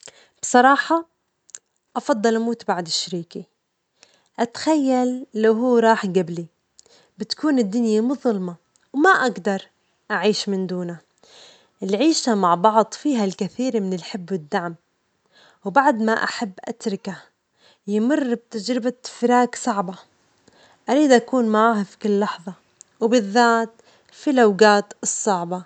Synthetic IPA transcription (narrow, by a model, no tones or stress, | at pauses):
b̥sˤɑɾˤɑːħɑ | ʔɑfɑd̪ˤːɑlʔamuːt̪baʕd̪ɪʃːaɾiːki | ʔat̪ḁxajːalːawɦuːɾˤɑːħɡabli | bɪt̪kuːnɪd̪ːʊnjamʊðˤʊlmɑ | wmaʔaɡd̪ɑɾˤ | ʔaʕiːʃmɪnd̪uːna | ʔɪlʕiːʃamaʕbɑʕd̪ˤfiːɦalkaθiːɾmɪnɪlħɪbːwɪd̪ːaʕm | wbaʕd̪maʔa̰ħabːʔa̰t̪ɾˤɪka | jɪmʊrːb̚t̪ad͡ʒɾɪbafɪɾaːksˤɑʕbɑ | ʔaɾiːd̪ʔakuːnmaʕaːhafi̥kʊlːɑħðˤɑ | wbɪðːaːt̪ | filawɡaːt̪ɨsˤːɑʕbɑ